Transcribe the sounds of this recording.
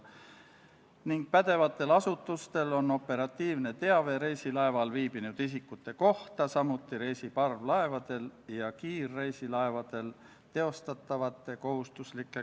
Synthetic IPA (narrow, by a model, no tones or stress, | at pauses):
niŋɡ̥̚pæd̪̥e̞vɑt̪ːˑe̞lɑsut̪ːˑust̪e̞lo̞nːo̞pːe̞ɾɑt̪ːiːvne̞t̪e̞ɑve̞ɾe̞jsilɑe̞vɑlviːb̥inud̪̥is̬ikːˑut̪ːˑe̞ko̞ht̪ɑsɑmut̪ːˑiɾe̞jsipɑrvlɑe̞vɑd̪̥e̞ljɑkiːrːe̞jsilɑe̞vɑd̪̥e̞l | t̪e̞o̞st̪ɑt̪ːˑɑvɑt̪ːˑe̞ko̞ɦust̪uslikːˑe